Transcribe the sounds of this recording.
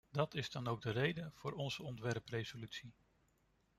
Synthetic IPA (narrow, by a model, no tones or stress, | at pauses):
dɑtɪzdɑnowɡ̚dərejdənv̥ʊːɹɔnzəɔntʋɛrprejzolytsi